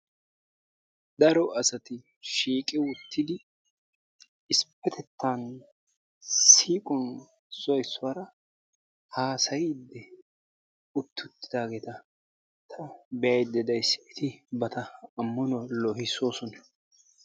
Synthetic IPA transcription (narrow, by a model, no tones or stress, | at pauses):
d̪ɐɾɔɐsɐt̪ɪ | ʃiːkʼɪwʊt̪ːɪd̪ɪ | ɪspːɛt̪ʰɛt̪ːaːn | ssiːkʼɔn | sɔjsːʊwaːɾɐ | haːsɐjɪd̪ːɛ | ʊt̪ːʊt̪ːɪ̥d̪aːɡeːt̪ɐ | t̪ʰɐbɛɐjd̪ːɛd̪ɐjsɪt̪ʰɪbɐt̪ɐɐmːɔnɔlɔhɪsoːsɔnɐ